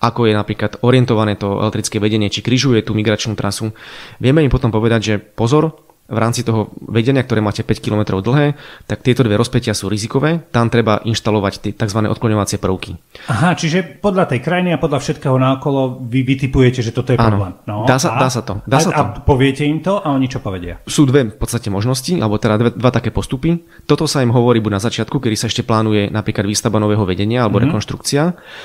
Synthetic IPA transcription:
akɔjɛnapɾiːklat̪ɔɾɪɛnt̪ɔʋanɛːt̪ɔɛ̰lɛkt̪ɾit͡skɛːʋɛɟɛɲɪɛt͡ʃikɾiʒujɛt̪uːmiɡɾat͡ʃnuːt̪ɾasuʋɪɛmɛimpɔt̪ɔmpɔʋɛd̪aɟʒɛpɔzɔɾ | ʋɾa̰ːmt͡sit̪ɔɦɔʋɛɟɛɲɪakt̪ɔɾɛːmaːcɛpɛckilɔmɛt̪ɾɔʊd̪l̩ɦɛːt̪ak̚t̪ɪɛt̪ɔd̪ʋɛɾɔspɛcɪasuːɾizikɔʋɛːt̪amt̪ɾɛbaʔinʃt̪alɔʋact̪ɪɛt̪aɡzʋanɛːɔ̰t̪klɔɲɔʋat͡sɪɛpr̩ʊkiaɦat͡ʃiʒɛpɔd̪ʎat̪ɛjkɾajiniapɔd̪ʎafʃɛt̪kɛːɦɔnaɔkɔlɔʋiʋit̪ipujɛcɛʒɛt̪ɔt̪ɔjɛaːnɔlɛmnɔaːsad̪aːsat̪ɔd̪aːsat̪pɔʋɪɛcɛimt̪ɔʔaɔɲit͡ʃɔpɔʋɛɟɪa̰suːd̪ʋɛfpɔt̪t͡sst̪acɛmɔʒnɔsciʔa̰lɛbɔt̪ɛd̪ad̪ʋɛd̪ʋat̪akɛːpɔst̪upi | t̪ɔt̪ɔsaimɦɔʋɔɾiːbuɟnazat͡ʃɪat̪kukɛd̪isaɛʃcɛplaːnujɛnapɾiːklad̪ʋiːst̪abanɔʋɛːɦɔʋɛɟɛɲɪaalɛbɔɾɛkɔnʃt̪ɾukt͡sia

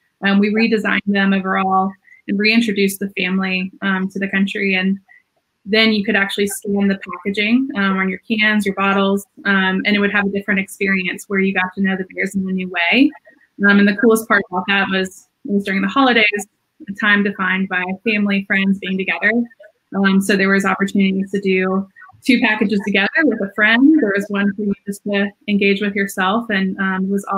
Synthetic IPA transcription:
ʔʌ̃mwiɹidɨzã̰ɪ̃nðɨ̃moʊvə˞ɔlˠɨ̃nɹiɪ̃nt͡ʃɹ̥ɨdʉsðɨfæ̃mliʌ̃mtʰɨðɨkʰʌ̃nt͡ʃɹ̥iɨ̃n | ðɨ̃njɨkɨɾæk̚t͡ʃʉl̩ˠistæ̃nðɨpʰækɨd͡ʒɪ̃ŋʌ̃mə̃njə˞kʰæ̃nzjə˞bɑɾl̩ˠz̥ʌ̃mɨ̃ɾ̃ɨt̚wɨɾ̚ɨvɨdɪfɹɨ̃ntɨkspɪɹiɨ̃nswə˞jɨɡɑtɨnoʊðɨbɛɹzɨ̃n̩ɨnʉweɪ | ʌ̃mɨ̃nðɨkʰulˠəspʰɑɹɾav̚ðɨt̚wʌz̥ | wʌzdʊɹɪ̃ŋðəhɑlˠəɾeɪz | ɨtʰãɪ̃mdɨfãɪ̃nbaɪfæ̃mlifɹɛ̃ndzbiɪ̃ŋtʰɨɡɛðə˞ | ʔʌ̃msoʊðə˞wʌzɑpə˞tʰʉnɨɾiɾɨdɨtʰʉpʰækɨd͡ʒɨz̥tʰɨɡɛðə˞wɨðəfɹɛ̃ndðə˞wʌzwʌ̃nhʉjɨjstʰɨɨ̃nɡeɪd͡ʒwɨðjə˞sɛlˠfɨ̃nʌ̃mwʌzɔ̰

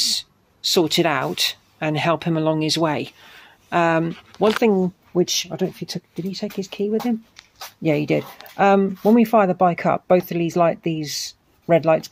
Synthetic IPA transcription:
sɔˑtɨɾaʊt | ɨ̃nɦɛlˠphɨ̃məlɒ̃ŋɪzweɪ | ʔʌ̃mwʌ̃nθɪ̃ŋ | wɪt͡ʃaɪdɾõʊ̃nɪfitʰʊkd̥ɨd̚itʰeɪkhɨz̥kʰiːwɪð̥ɨ̃m | jæhidɪd̥̚ʔʌ̃mwə̃nwifaɪðəbaɪkʰʌ̰p̚b̥əʊθəlizlaɪʔ̚ðiz | ɹɛdˡlaɪts

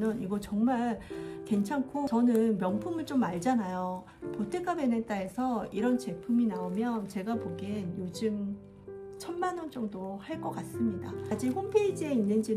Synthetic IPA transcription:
nʌniɡʌt͡ɕʌŋmaɭkwe̞nt͡ɕʰaŋkʰot͡ɕʌnɯnmjʌŋpʰumɯɭt͡ɕ͈omaɭd͡ʑanajo | potʰek͈abenet͈aesʰʌiɾʌnt͡ɕe̞pʰuminaomjʌnt͡ɕe̞ɡapoɡenjod͡ʑɯŋ | t͡ɕʰʌnmanʌnt͡ɕ͈ʌŋdohaɭk͈ʌk͈as͈ɯmɲidaad͡ʑiɦompʰe̞id͡ʑie̞inːɯnd͡ʑi

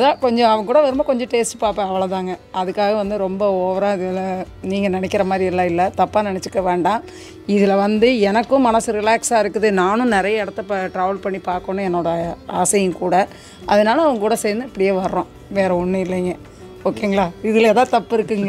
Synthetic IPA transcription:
ɐðãːkɔɲd͡ʒɔ̃ɐʋɐŋɐkuːɽɐʋɛɾɯmakɔɲd͡ʒɔ̃ʈeːsʈpaːɾpẽɐʋɐɭɐt̪ãːŋɡɐɐðɯkːaːɣɐʋɐnd̪ɯɾɔmbɐoːʋɐɾãːɪðɪlɐ | niːŋɡɐnɐnɛkːɪɾɐmaːd̪ɾiɛlːãːɪlːɐt̪ɐpːaːnɪnɛt͡ʃːɯkːɐʋeːɳɖãː | ɪðɪlɐʋɐnd̪ɯɛnɐkːɯ̃mɐnɐsɯɾɪlaːksaːɪɾɯkːɯðɯnaːnʊ̃nɪɾɐjɐɛɽɐt̪ːɐpʈɾɐːʋɐlpɐɳːipaːɾkõːnːɯ̃ɛnːoːɽɐaːsɐjɯ̃kuːɽɐ | ʔɐ̰ðɐnaːlɐɐʋɐŋɡɐkuːɽɐseːɾnd̪ɯɐpːɐɽɪjeːʋɐɾɾõ | ʋeːɾɐʊɳːɯɪlːɛŋɡɐ | oːkːeːɯŋɡɐɭaːɪðɯlɛːðaːt̪ɐpːɪɾɯkːɯŋɡ

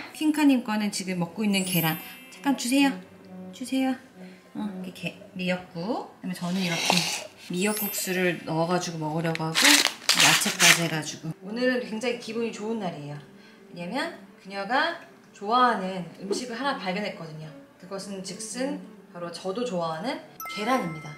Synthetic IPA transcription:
kʰiŋkʰaɲimk͈wanɯnt͡ɕiɡɯmːʌk̚k͈oinːɯnke̞ɾant͡ɕḁk͈̚amt͡ɕusʰe̞ja | t͡ɕusʰe̞ja | kekemijʌk̚k͈oamjʌt͡ɕʌnɯniɾʌk͈ʰunmijʌk͈̚uk̚s͈uɾɯɭnʌʌɡad͡ʑuɡomʌɡʌɾjʌɡoɦaɡojat͡ɕʰek͈ad͡ʑeɡad͡ʑuɡ̥oonɯɾɯnkwe̞ŋd͡ʑaŋikibuɲit͡ɕoɯnːaɾiejo | we̞ɲamjʌnkɯɲaɡa | t͡ɕoaɦanɯnɯmɕʰiɡɯɭɦanapaɭbjʌnɦe̞t̚k͈ʌdɯɲokɯɡʌsʰɯnt͡ɕɯk̚s͈ɯnpaɾot͡ɕʌdot͡ɕoaɦanɯnke̞ɾaɲimɲida

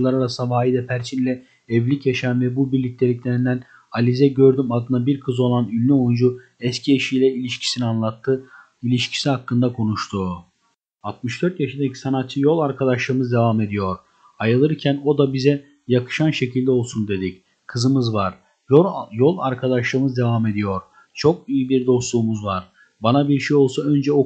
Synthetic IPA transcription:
lˠaɾaɾasɯnavaːid̪ɛpʰæɾt͡ʃʰinlʲɛ | ɛvlʲicjaʃanvɛbubiɾlʲic̚lʲe̞lʲiclʲeɾind̪æn | alʲizɛɟø̞ɾd̪ymad̪ɯnabiɾkʰɯzo̞lˠanylʲːyo̞jund͡ʒu | ɛscʰieʃijlʲɛilʲiʃcʰi̥sinianlˠat̪ʰːɯ | ilʲiʃcʰi̥siɦakːɯnd̪akʰo̞nuʃt̪ʰu | alt̪̚mɯʃd̪øɾt̪jaʃind̪ecʰʲi̥sanat̪̚t͡ʃʰɯjo̞lˠaɾkʰad̪aʃlˠɯːɯmɯzd̪e̞vame̞d̪ijo̞ɾ | ajɯlˠɯɾicʰæno̞d̪abizɛ | jakʰɯ̥ʃanʃe̞cʰilʲd̪ɛo̞lˠsund̪e̞d̪ic | kʰɯzɯmɯzvaɾ̥ | jo̞lˠa̰ɾkʰad̪aʃlˠɯːmɯzd̪e̞vame̞d̪ijo̞ɾ̥ | t͡ʃʰo̞kijibiɾd̪o̞slˠuːmuzvaɾ̥ | banabiɾʃejo̞lˠsaø̞nd͡ʒɛo

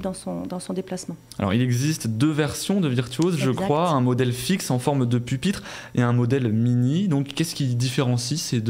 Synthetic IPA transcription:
d̪ɑ̃sɔ̃d̪ɑ̃sɔ̃d̪eplasmɑ̃ | a̰lɔ̰ʁilɛɡzist̪d̪øvɛʁsjɔ̃d̪əviʁt̪ɥozʒəkχwaɛ̃mɔd̪ɛlfiksɑ̃fɔʁmd̪əpypit̪χ | eɛ̃mɔd̪ɛlminid̪ɔ̃kːɛskʲid̪ifeʁɑ̃sised̪

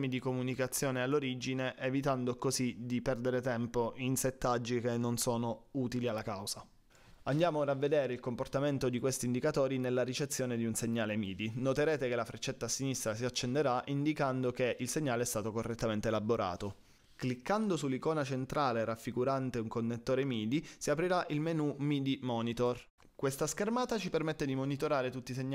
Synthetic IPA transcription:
mid̪ikomunikat̪sːjoːnealːoɾid͡ʒineʔevit̪and̪okozid̪ipɛrd̪eɾet̪ɛmpoʔinset̪ːad͡ʒːik̟enːonsoːnouːt̪ilialːakawza | and̪jaːmoravːed̪ɛːɾeilkomport̪ament̪od̪ikwest̪iːnd̪ikat̪ɔːɾinelːaɾit͡ʃet̪sːjoːned̪iunseɲːaːlemiːd̪inot̪eɾɛːt̪ekelafɾet͡ʃːet̪ːasinist̪ɾasiat͡ʃːend̪eɾaʔind̪ikand̪okeʔilseɲːaːleɛst̪aːt̪okorːet̪ːament̪eːlabːoɾʔa̰ːt̪o | klikːand̪osulːikɔːnat͡ʃent̪ɾaːleɾafːiɡuɾant̪euŋkonːet̪ːoːɾemiːd̪isiapɾiɾaʔilmenumiːd̪imɔːnit̪or | kwest̪askermaːt̪at͡ʃipermet̪ːed̪imonit̪oɾaːɾet̪ut̪ːiseɲː

